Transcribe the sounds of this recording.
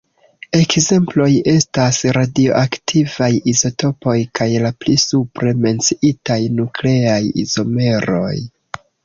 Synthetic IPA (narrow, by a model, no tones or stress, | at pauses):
e̞kze̞mplo̞je̞stasɾadio̞̰ʔaktʰivajizo̞to̞po̞jkajlaplisupɾe̞me̞nt͡siitajnukle̞ajḭzo̞me̞ɾo̞̰j